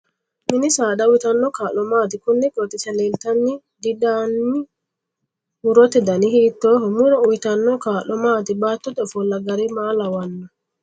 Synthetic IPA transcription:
mɪnɪsaːd̪ɐwɪt̪ɐnːɔkaːlɔmaːt̪ɪkʊnːɪkʼɔt̪ʼːɪsɛleːlt̪ɐnːɪ | d̪ɪd̪aːnːɪ | mʊɾɔt̪ɛd̪ɐnɪhiːt̪ːoːhɔmʊɾɔʊjɪt̪ɐnːɔkaːlɔmaːt̪ɪbaːt̪ːɔt̪ɔfɔlːɐɡɐɾɪmaːlɐwɐnːɐ

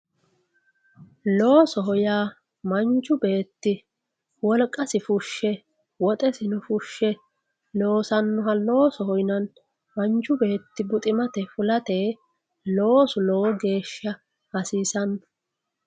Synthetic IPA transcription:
loːsɔɦɔjaː | mɐnt͡ʃːʊbe̞ːt̪ːɪ | wɔlkʼːɐsɪfʊʃːɛ | wɔt̪ʼɛsɪnʊfʊʃːɛ | loːsɐnːʊɦɐloːsɔhɔjnɐn | mɐnt͡ʃːʊbe̞ːt̪ːɪbʊt̪ʼɪmɐt̪ɛfʊlɐt̪eː | loːsʊlɔwɔɡe̞ːʃːɐ | hɐsiːsɐnːɔ̥

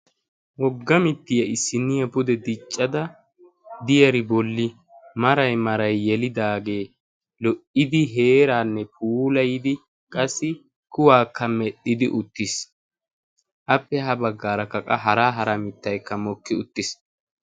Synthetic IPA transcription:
wɔɡːɐmɪt̪ːɪjɐɪsːɪnːɪjɐbʊd̪ɛd̪ɪt͡ʃʼːɐd̪ɐ | d̪ɪjɐɾɪbɔlːɪ | mɐɾɐjmɐɾɐjːɛlɪd̪aːɡe̞ː | lɔʔɪd̪ɪɦe̞ːɾaːnːɛpʰuːlɐjɪd̪ɪ | kʼɐsːɪ | kʊwaːkʰːɐmɛɗɪd̪ɪʔʊt̪ːɪs | ʔɐpːɛɦɐbɐɡːaːɾɐkːɐkʼɐɦɐɾaːɦɐɾɐmɪt̪ːɐjkːɐmɔkːɪʊt̪ːɪs

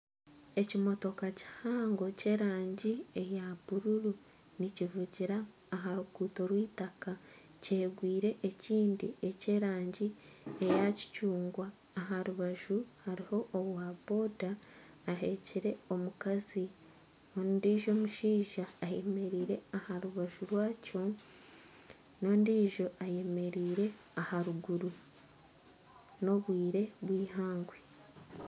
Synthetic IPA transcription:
e̞cimo̞to̞kaci̥haːŋɡo̞ce̞ːɾaːɲɟie̞jaβ̥uɾuɾu | nicivuɟiɾaː | ɦaɾukuːto̞ɾwiːtaka | ceːɡwiːɾe̞ʔeciːndie̞ce̞ːɾaːɲɟi | ejaci̥cuːŋɡwaː | ɦaɾuβaʒuhaɾiho̞ʔːβwabo̞ːdaː | ɦe̞ciɾe̞o̞mukazi | ondiːʒo̞ːmuʃiːʒaːje̞me̞ɾiːɾe̞ahaɾuβaʒuɾwaːco̞ | no̞ːndiːʒo̞aje̞me̞ɾiːɾe̞ahaɾuɡuɾu | no̞βwiːɾe̞βwiːhaːŋɡwe

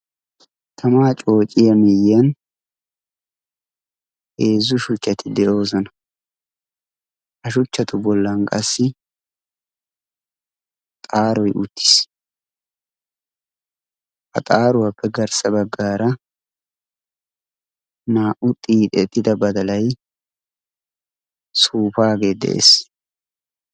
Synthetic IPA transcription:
t̪ʰɐmaːt͡ʃʼo̞ːt͡ʃʼɪjɐmɪjɐn | e̞ːzːʊʃʊt͡ʃːɐt̪ɪd̪ɛʔo̞ːszɔnɐ | hɐʃʊt͡ʃːɐt̪ʊbɔlːɐnkʼɐsːɪ | t̪ʼaːɾɔjʔʊt̪ːɪ̥s | hɐ̰t̪ʼaːɾʊwapːɛɡɐɾsɐbɐɡːaːɾɐ | naːʔʊt̪ʼiːt̪ʼɛt̪ʼːɪd̪ɐbɐd̪ɐlɐj | suːfaːɡe̞ːd̪ɛ̰ʔḛːs

